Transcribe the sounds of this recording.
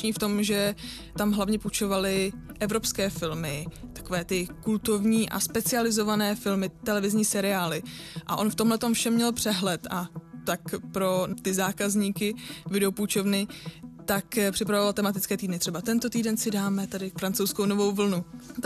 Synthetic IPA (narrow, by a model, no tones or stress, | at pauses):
ɲiːft̪o̞mʒɛ | t̪amɦlavɲɛput͡ʃo̞valɪʔɛvɾo̞pskɛːfɪlmɪt̪ḁko̞vɛːt̪ɪkult̪ovɲiːʔa̰spɛt͡sɪalɪzo̞vanɛːfɪlmɪt̪ɛlɛvɪzɲiːsɛɾɪaːlɪʔa̰ʔo̞nft̪o̞mlɛt̪o̞mfʃɛmːɲɛlpr̝̥ɛɦlɛt̪ʔat̪akpɾo̞t̪ɪzaːkazɲiːkɪvɪdɛoput͡ʃo̞vnɪt̪akpr̥ɪpɾavovalt̪ɛmat̪ɪtt͡skɛːt̪iːdnɪt̪r̥ɛbat̪ɛnt̪o̞t̪iːdɛnsɪdaːmɛt̪adɪfɾant͡sowskowno̞vo̞wvl̩nu